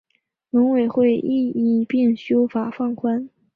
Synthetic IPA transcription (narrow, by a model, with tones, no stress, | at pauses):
nɤ˧˥ŋwe˨˩ɪxwe˥˧ɪʔi˥˧i˥˩pi˥˩ŋɕjo˥ʊfa˨˩fɑ˥˩ŋkʰwa˥n